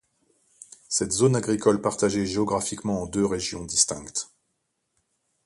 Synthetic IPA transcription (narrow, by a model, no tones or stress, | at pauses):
sɛt̪zonaɡʁikɔlpaʁt̪aʒeʒeɔɡʁafikmɑ̃ɑ̃d̪øʁeʒjɔ̃d̪ist̪ɛ̃kt̪